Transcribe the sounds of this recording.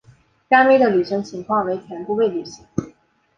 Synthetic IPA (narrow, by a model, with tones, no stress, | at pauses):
ka˥nme˥ɪd̪ə˨ly˨˩ʂɤ˧˥ŋt͡ɕʰi˧˥ŋkʰwɑ˥˩ŋwe˧˥ɪt̪ʰjɛ˧˥npu˥˧we˥˩ɪly˨˩ɕi˧˥˦ŋ